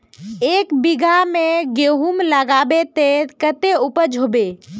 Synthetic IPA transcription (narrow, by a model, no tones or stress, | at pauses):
eːkbɪɡʱamẽɡeɦumləɡaːbet̪ekət̪eʊpəd͡ʒʱobe